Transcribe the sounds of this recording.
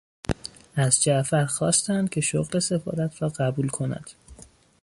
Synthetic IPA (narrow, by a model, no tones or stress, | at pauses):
æzd͡ʒæʔfæɾxɒːst̪ænd̪̥̚cʲʰe̞ʃo̰ɣle̞se̞fɒ̰ːɾæt̪ʰɾɒːɢæbulkʰo̞næ̰d̪̥